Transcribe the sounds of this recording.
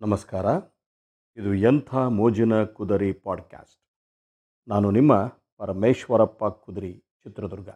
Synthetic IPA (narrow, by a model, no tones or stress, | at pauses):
nɐmɐskaːɾɐ | id̪ujɐnt̪ʰaːmoːd͡ʒɐnɐkud̪ɐɾipaːɖkja̰ːsʈ | naːnunimːɐ | pɐɾɐmeːʃʋɐɾɐpːɐkud̪ɾi | t͡ʃit̪ɾɐd̪uɾɡɐ̰